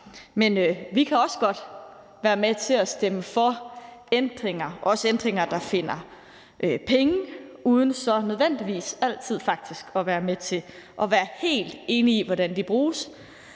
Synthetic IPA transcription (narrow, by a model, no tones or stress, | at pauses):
menøʋikʰæɒ̽səɡ̥ɒ̽d̥ | ʋæːɐmet͡sʰe̝æsd̥eməfɒ̽end̥ʁeŋɐɒ̽səend̥ʁeŋɐd̥ɑ̈fe̝n̰ɐ | ʔøpʰeŋəuːð̞ˠn̩sɒ̽nøð̞ˠʋen̰d̥iʋḭːsæl̰t͡sʰið̞̰ˠfɑ̈ɡ̥̚d̥isɡ̥ɒʋæːɐmet͡sʰe̝ | ʔɒ̽ʋæːɐhe̝̰ːld̥e̝ːniːʋɒɾænd̥ib̥ʁuːs